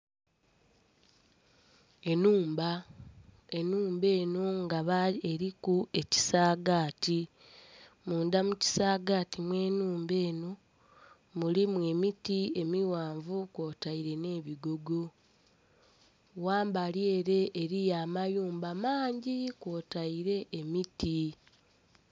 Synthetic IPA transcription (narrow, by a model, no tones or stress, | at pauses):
e̞nuːmba | e̞nuːmbe̞ːnoŋɡaβaeɾikue̞ci̥saːɡaːti | muːndamuci̥saːɡaːtimwe̞ːnuːmbe̞ːno | mulimwe̞mitie̞miwaːɱvukwo̞ːtaiɾe̞ne̞ːβiɡo̞ɡo̞ | waːmbalje̞ːɾe̞ʔːɾijaːmajuːmbamaːɲɟikwo̞ːtaiɾe̞ʔːmiti